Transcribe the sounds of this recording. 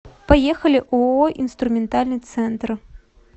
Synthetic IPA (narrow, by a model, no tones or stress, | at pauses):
pajɛxɐlʲiʔuɔʔinst̪ɾumʲɛnt̪alʲnɨt̪sɛnt̪r